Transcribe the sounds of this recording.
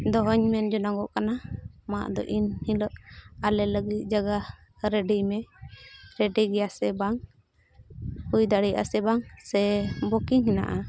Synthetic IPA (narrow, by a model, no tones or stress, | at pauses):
d̪ɔɦɔɲmɛnd͡ʒɔnaŋɡɔʔkanama̰ʔd̪ɔ̰ʔinhiləʔalɛləɡit̪̚ˀd͡ʒaɡa | ɾɛɖimɛ | ɾɛɖiɡɛjasɛbaŋ | hujd̪aɽijʔa̰sɛbaŋsɛbɔkiŋɦina̰ʔa